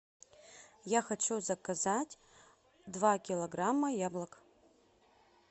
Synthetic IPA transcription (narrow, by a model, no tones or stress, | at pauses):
jaxat͡ʃʰuzɐkʰazatʲ | dvakʲilˠoɡramːɐjablˠɐkʼ